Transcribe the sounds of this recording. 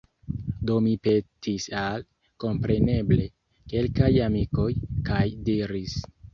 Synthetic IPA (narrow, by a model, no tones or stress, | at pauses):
do̞mipe̞tʰisal | ko̞mpɾe̞ne̞ble̞ | ke̞lkajamiko̞jkajdiɾis